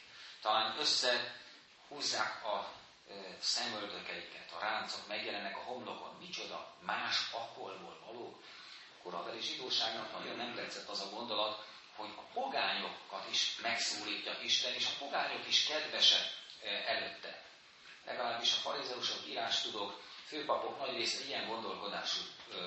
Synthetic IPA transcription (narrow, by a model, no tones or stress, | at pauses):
t̪ɒlaːnøsːɛ | huːzːaːkɒ | sɛmøld̪økɛikɛt̪ɒɾʔaːnt̪so̞kmɛɡjɛlɛnːɛkɒɦo̞mlo̞ko̰nmit͡ʃo̞d̪ɒ̰maːʃɒkolbo̰ːlvɒloːk | koɾɒ̰vɛleːʒid̪oːʃaːɡnɒknɒɟo̞nːɛmt̪ɛt̪sɛt̪ːɒzɒɡo̞nd̪o̞lɒt̪ | hoɟɒpo̞ɡaːɲo̞kːɒt̪iʃmɛksoːliːcːɒʔiʃt̪ɛneːʃɒpo̞ɡaːɲo̞kiʃkɛd̪vɛʃɛɛløːt̪ːɛ̰ | lʔɛ̰ɡɒlaːbːiʃɒfɒɾizɛuʃokiɾaːʃt̪ud̪o̞kføːpɒpo̞knɒɟreːsɛijɛŋɡo̞nd̪o̞lko̞d̪aːʃu